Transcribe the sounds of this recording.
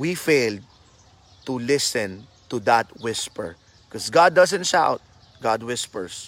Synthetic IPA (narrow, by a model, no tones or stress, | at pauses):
wifejld̪̚ | t̪ulɪsɛ̃n | t̪ud̪at̪wɪspə̰ɹ | kɔsɡad̪̚ːʌzɛ̃nt̪ʃa̰ʊt̪̚ | ɡad̪̚wɪspəɹs